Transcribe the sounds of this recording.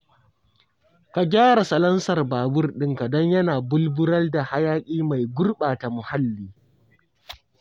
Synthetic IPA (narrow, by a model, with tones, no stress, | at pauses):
ka˨ɡʲaː˦ɽa˨sɐ˨lɐ˦nsɐ˨rbaː˨bʊ˦rɗɪ˦ŋka˨dɔ˦ɲjɐ˦naː˨bʊ˦lbʊ˦ɾɐ˦lda˨ha˦jaː˦kʲʼiː˦ma˨jɡʷʊ˦rɓaː˨ta˨mʊ˨ha˦lːiː˨